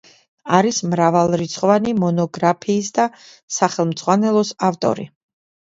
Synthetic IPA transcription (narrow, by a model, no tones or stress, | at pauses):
aɾismɾavalˠɾit̪sʰχɔvanimɔnɔɡɾapʰiːsd̪a | saχɛlˠmd̪z̥ʼʁwanɛlˠɔsaft̪ʼɔ̰ɾḭ